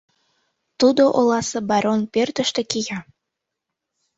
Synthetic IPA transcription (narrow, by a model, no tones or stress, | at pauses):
t̪ud̪oʔolɑsɤbɑɾonpert̪ə̆ʃt̪ĕkijɑ